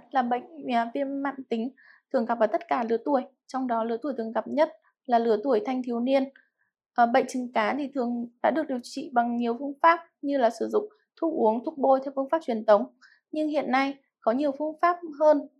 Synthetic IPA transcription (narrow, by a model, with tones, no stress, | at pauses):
laː˨˩ɓə̰˧˨ŋ̟ː˨˩vi˧ənma̰ː˧˨nt̪ï˨˦ŋ̟ | t̪ʰɨ˨˩əŋka˨˩p̚vaː˨˩t̪ə˦˥t̚kaː˧˩lɨ˨˦ət̪u˧˩əj | t͡ɕɔ˧wŋ͡mɗɔ˨˦lɨ˨˦t̪u˧˩əjt̪ɨ˨˩ə˩ŋɣə˨˩p̚ɲə˦˥t̚ | laː˨˩lɨ˨˧˦ət̪u˧˩əjt̪ʰa˧jŋt̪ʰi˨˦wni˧ən | ʔːɓə̰˧˨ŋ̟t͡ɕɨ˨˦ŋkaː˨˦t̪ʰi˨˩t̪ʰɨ˨˩əŋɗa̰ː˧˥ɗɨ˨˩ək̚ɗi˨˩əwt͡ɕḭ˧˨ɓa˨˩ŋɲi˨˩əwfɨ˧əŋfaː˦˥p̚ɲɨ˧laː˨˩sɨ˧˩zʊ̰˧˨ŋ͡m | t̪ʰu˧ʔu˨˦əŋt̪ʰu˦˥k̚ɓo˧jt̪ʰwfɨ˧ŋfaː˦˥p̚t͡ɕwi˨˩ənt̪ʰə˨˦wŋ͡m | ɲɨ˧ŋɦḭ˧˨ənːa˧j | kɔ˨˦ɲi˨˩əwfɨ˧əŋfaː˦˥p̚ɦəː˧n